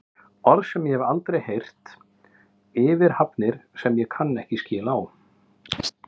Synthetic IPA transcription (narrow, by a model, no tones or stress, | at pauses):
ɔɾðsɛmjɛhɛvalt̪ɾejhejr̥t̪ | ɪːvɪɾ̥hapnɪɾ̥sɛmjɛkʰanːɛhcɪscɪːlaːw